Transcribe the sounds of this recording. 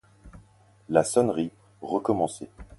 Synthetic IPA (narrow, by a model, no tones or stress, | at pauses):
lasɔnʁi | ʁəkɔmɑ̃se